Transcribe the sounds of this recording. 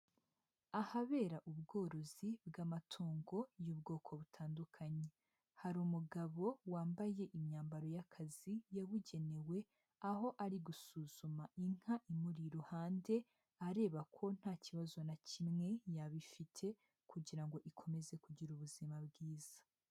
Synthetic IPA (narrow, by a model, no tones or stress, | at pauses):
ahaβe̞ːɾaʔubɡo̞ːɾo̞zibɡamatʰoːŋɡo̞jubɡo̞ːkʰo̞βutʰaːndukʰaɲe̞ | haɾumuɡaβo̞waːmbaje̞ʔimɲaːmbaɾo̞jakʰazijaβuɟe̞ne̞we̞ | aɦo̞ʔaɾiɡusuːz̥umaiŋ̥haʔimuɾiɾohaːnde̞ | aɾe̞ːβakʰo̞n̥haːciβazo̞nacimŋe̞jaβifitʰe̞ | kuɟiɾaŋɡo̞ʔikʰo̞me̞ze̞kuɟiɾuβuzimabɡiːz̥ḁ